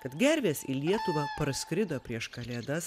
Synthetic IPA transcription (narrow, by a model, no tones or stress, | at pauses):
kɐt̪ɡʲɛɾʲʋʲeːsḭlʲiɛt̪ʊʋɐːpɐɾskɾʲɪd̪oːpʲɾʲiɛʃkɐlʲeːd̪ɐs